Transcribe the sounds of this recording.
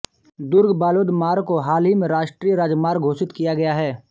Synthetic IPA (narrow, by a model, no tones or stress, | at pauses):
d̪ʊɾɡbaːloːd̪maːɾkoɦaːlɦimẽɾaːʃʈɾiːjəɾaːd͡ʒmaːɾɡʱoːsɪt̪kijaɡɐjaɦɛː